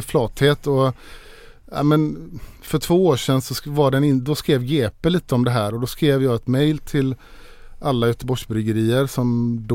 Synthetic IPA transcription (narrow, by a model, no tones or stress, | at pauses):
flɑːt̪heːt̪ɔ | a̰mɛnfœʈʰvoːoːʂɛnsɔvaɖɛnɪnd̪ɔskɾeːvɡeːpəliːt̪əɔmd̪ɛɦæːɾɔd̪ɔskɾeːvjɑːɡɛt̪mɛjlt̪ʰɪl | ʔalːajœːt̪əbɔʂbɾʏɡəɾiːəɾsɔmd̪